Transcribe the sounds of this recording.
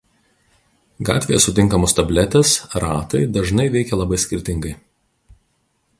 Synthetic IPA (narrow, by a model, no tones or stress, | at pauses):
ɡɑ̰ːt̪ʲʋʲejɛsʊt̪ʲɪŋˑkɐmost̪ɐbʲlʲɛt̪ʲɛsɾɑːt̪ɐɪd̪ɐʒnɐɪʋʲɛɪkʲɛlˠɐbɐɪsʲkʲɪɾʲt̪ʲɪŋɡɐɪ